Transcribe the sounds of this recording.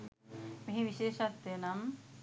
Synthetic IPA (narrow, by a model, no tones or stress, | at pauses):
miɦiʋiʃeːʃɐt̪ːenɐm